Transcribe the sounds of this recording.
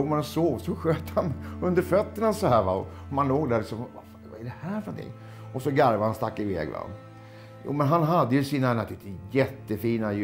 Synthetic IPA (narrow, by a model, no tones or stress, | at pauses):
umanɔsoːɡsɔɧøːt̪hanɵnd̪əɾfœt̪ːəɳasɔhæːɾva̰ɔ | ɔmanloːɡd̪æɾɭɪksɔmvafvaɛɖɛhæːɾfənɔnt̪ʰɪ̰ŋː | ʔɔsɔɡaɾvahanst̪akːɪvɛ̰ːɡva̰ | jṵːmɛnɦanɦad̪ːəjɵsiːnanat̪ʉlt̪jɛt̪ːəfiːnaj